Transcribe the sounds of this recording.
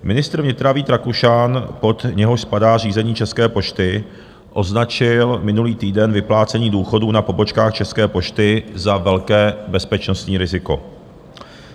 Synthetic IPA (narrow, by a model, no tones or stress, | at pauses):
mɪnɪst̪ɾ̩vɲɪt̪ɾaviːt̪ɾakuʃanpo̞t̪ɲɛɦoʃspadaːr̝iːzɛɲiːt͡ʃɛskɛːpo̞ʃt̪ɪ | ʔo̞znat͡ʃɪlmɪnuliːt̪iːdɛnvɪplaːt͡sɛɲiːduːxo̞duːnapo̞bo̞t͡ʃkaːxt͡ʃɛskɛːpo̞ʃt̪ɪzavɛlkɛːbɛspɛt͡ʃnost̪ɲiːɾɪzɪko̞̰